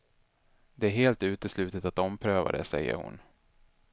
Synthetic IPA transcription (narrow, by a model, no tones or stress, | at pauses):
d̪ɛæɾɦeːlt̪ʉ̟ːt̪əslʉ̟ːt̪ət̪at̪ɔmpʰɾøːva̰d̪ɛ̰sɛ̰jːə̰ɾhʊ̰n